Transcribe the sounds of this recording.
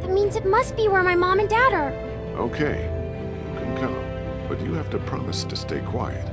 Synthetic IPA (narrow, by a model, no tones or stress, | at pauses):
ðɨt̚mĩnzɨt̚mʌst̚b̥iwə˞maɪmɑ̃mɨ̃ndɔɾə˞ | ʔo̰ʊkʰeɪ | ʉkʰɨ̃nkʰʌ̰̃m | b̥ʌt͡ʃɨhæftɨpʰɹ̥ɑ̰mɨstʰɨsteɪkʰw̥a̰ɪɨ̰t̚